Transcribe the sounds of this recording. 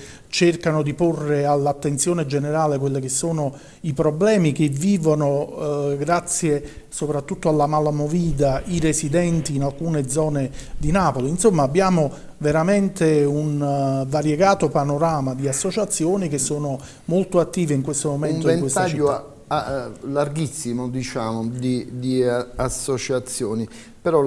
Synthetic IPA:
t͡ʃerkanod̪iporːealːat̪ːent̪sjoːned͡ʒeneɾaːlek̬welːikesːoːno | ipɾoblɛːmikeviːvonoɡɾat̪sːje | sopɾat̪ːut̪ːoalːamalamoviːd̪aiɾesid̪ɛnt̪iːnalkuːned̪zɔːned̪inaːpoliːnsomːaːbːjaːmo | veɾament̪eunvaɾjeɡaːt̪opanoɾaːmad̪iasːot͡ʃat̪sːjoːnik̟esːoːno | molt̪oat̪ːiːveiŋkwest̪omomɛntnoɛnkest̪aʎt͡ʃiːo | alarɡisːimod̪it͡ʃaːmod̪id̪iasːot͡ʃat̪sːjoːni | pɛɾɔ

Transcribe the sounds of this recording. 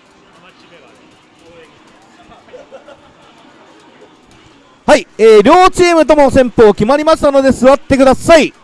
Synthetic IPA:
haieːɾʲo̞ːt͡ɕiːmɯ̟t̪̬o̞mo̞sẽ̞mpo̞ːkʲimaɾʲimaɕi̥t̪ano̞d̪e̞sɨβat̪ːe̞kɯ̟d̪asai

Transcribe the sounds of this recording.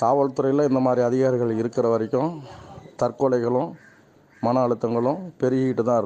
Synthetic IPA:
k̪aːʋɐɭt̪ʊɾɐɪjlɐ̃ɪnd̪ɐmaːd̪ɾiɐðɪɣaːɾɪɣɐɭɪɾɯkːɪɾɐʋɐɾɪkʲːʊ̃t̪ɐrkɔɭɐɪɣɐɭʊ̃ | mɐnɐɐɭɯt̪ːɐŋɡɐɭʊ̃pɛɾɯɣiːʈːɯt̪ːãːɪɾɯ

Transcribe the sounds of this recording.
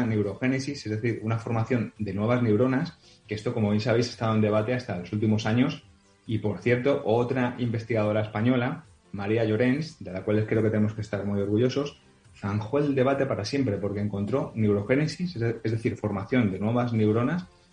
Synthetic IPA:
ne̞wɾo̞xe̞ne̞sisezðe̞θiɾunafo̞ɾmaθjo̞nd̪e̞nwe̞β̞azne̞uwɾo̞nas | keest̪o̞ko̞mo̞β̞je̞ns̬aβe̞jse̞st̪aðoe̞nd̪e̞βat̪e̞ast̪alo̞sult̪imo̞saɲo̞s | ipo̞ɾθje̞ɾt̪o̞ʔo̞t̪ɾaʔimbe̞st̪iɣað̞o̞ɾae̞spaɲo̞la | maɾiaʝo̞ɾe̞nsd̪e̞lakwale̞skɾe̞oket̪nemokest̪aɾmujo̞ɾɣuʝo̞so̞s | faŋxoe̞ld̪e̞β̞at̪e̞paɾasje̞mpɾe̞po̞ɾke̞ːŋko̞nt̪ɾo̞ne̞wɾo̞xe̞ne̞sisezðe̞θiɾfo̞ɾmaθjo̞nd̪e̞nweβazne̞wɾo̞nas

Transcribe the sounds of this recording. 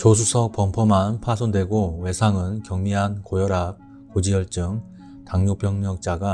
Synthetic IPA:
t͡ɕosʰusʰʌk̚p͈ʌmpʰʌmanpʰasʰondwe̞ɡowe̞sʰaŋɯnkjʌŋmiɦankojʌɾak̚ | k͈ːod͡ʑijʌɭt͡ɕ͈ɯŋ | taŋɲopʰjʌŋmjʌŋ̚t͡ɕ͈aɡa

